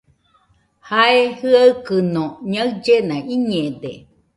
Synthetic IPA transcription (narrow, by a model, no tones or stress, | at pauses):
haehɯakɯnoɲaɨd͡ʒenãʔiɲẽd̪e